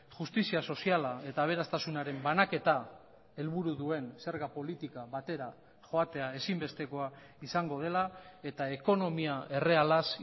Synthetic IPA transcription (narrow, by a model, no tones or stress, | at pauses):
ʝust̪isiaso̞sialae̞t̪aːβ̞e̞ɾast̪asunaɾe̞mbanake̞t̪a | e̞lβuɾuðue̞nse̞ɾɣapo̞lit̪ikaβat̪e̞ɾa | xo̞at̪e̞ae̞simbe̞st̪e̞ko̞a | isaŋɡo̞ð̞e̞lae̞t̪aeko̞no̞miae̞re̞alas